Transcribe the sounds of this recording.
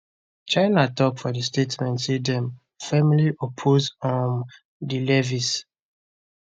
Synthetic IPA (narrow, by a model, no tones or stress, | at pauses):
t͡ʃãɪnatɔkfɔdistetmɛ̃ntsidɛ̃m | fɛmiliʔɔpʰozɔ̃n | dilɛvis